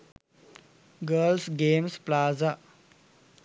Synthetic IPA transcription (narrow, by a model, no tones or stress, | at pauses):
ɡəlsɡeːmsplaːza